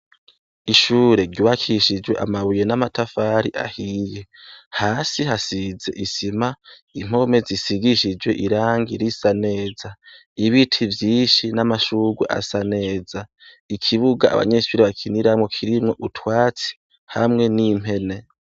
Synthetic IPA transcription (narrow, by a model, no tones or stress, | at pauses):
iʃuːɾe̞ɾɟuβakʰiʃid͡ʒwe̞ʔa̰maβuje̞namatafaːɾiʔa̰hiːje̞haːsiɦasize̞̰ʔisima | im̥o̞me̞zisiɡiʃid͡ʒwe̞ʔiɾaːŋɡiɾisane̞ːza | iβitʰivjiːʃinamaʃuɡwḛʔa̰sane̞ːza | ikʰiβuɡaa̰βa̰ɲe̞ʃuːɾeβakʰiniɾamŋo̞kʰiɾimŋo̞ʔutwaːt͡si̥ | hamŋe̞nim̥he̞ne̞